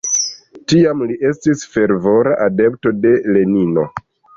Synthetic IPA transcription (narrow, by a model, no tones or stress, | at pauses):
tiamliʔe̞stisfe̞ɾvo̞ɾa̰ʔade̞pto̞de̞le̞nino̞